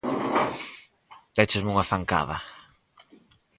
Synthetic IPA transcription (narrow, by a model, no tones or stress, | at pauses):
d̪et͡ʃɪzmuŋaθaŋka̰ðɐ